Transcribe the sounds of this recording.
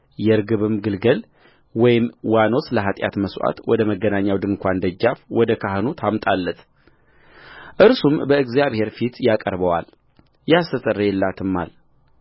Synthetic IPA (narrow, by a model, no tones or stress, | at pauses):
jɛɾɡɨβɨmɡɨlɡəl | wɔjɪmwano̞sləɦat̪ʼja̰t̪məsʔa̰t̪wɔd̪əməɡːənaɲːawd̪ɨŋkʷʰand̪əd͡ʒːafwɔd̪əkʰaɦɨnut̪ʰamt̪ʼalːət̪ | ʔɨɾsumbəɨɡzjaβhe̞ɾfit̪jakʼəɾbəwa̰l | jast̪ət̪ʼərːəjɛlːat̪ʰɨmːa̰l